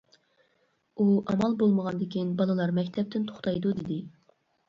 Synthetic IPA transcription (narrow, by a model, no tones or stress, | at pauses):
uʔɑmɑlˠbolˠməʁɑnd̪ɪkʲinbɑlˠɨlˠɑɾmɛkʲt̪ʰɛp̚t̪ʰɪnt̪ʰo̥χt̪ɑjd̪ud̪ɪd̪ɪ